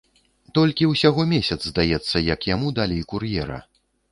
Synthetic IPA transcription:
t̪ɔlʲkʲiwsʲaɣɔmʲesʲɐd̪zzd̪ajɛt̪sːɐjɐkjamud̪alʲejkurjɛɾɐ̰

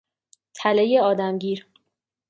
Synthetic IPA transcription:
t̪ʰælejeɒːd̪æmɟiːɾ

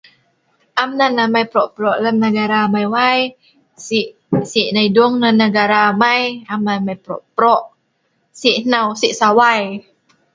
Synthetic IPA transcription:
ʔamnanamajpɾoʔpɾoʔləmnəɡaɾaːmajwaj | siʔ | siʔnajdʊŋnanəɡaɾaːmajamnamajpɾo̰ʔpɾoʔ | siʔnawsiʔsawaj

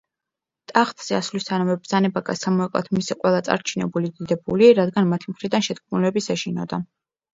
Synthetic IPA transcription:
t̪ʼaχt̪ʼz̥ɛaslist̪ʰanamɛbɾz̥anɛbaɡasamɔɛqʼlˠa̰t̪ʰmisɛqʼwɛlˠat̪sʼa̰ɾt͡ʃʰinɛ̰bulid̪id̪ɛbuliɾad̪ɡanmat̪ʰimχɾid̪anʃɛt̪̚kʰmulɛbisɛʃinɔ̰d̪a

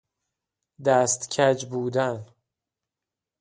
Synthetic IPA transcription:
d̪æːst̪cʰæd͡ʒbuːd̪æn

